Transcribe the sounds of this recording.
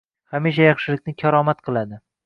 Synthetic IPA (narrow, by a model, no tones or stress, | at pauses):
χamiʃajɑχʃɪlɪkʲnɪkʲʰaɾɒmat̪qʰɨlˠad̪ɪ